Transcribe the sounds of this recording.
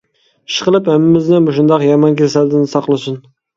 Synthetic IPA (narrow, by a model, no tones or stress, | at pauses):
ʃqəlˠɨphɛmːɪmɪznɪboʃund̪ɑqjɑmɑnkʲʰesæld̪ɪnɪsɑqlˠɨsun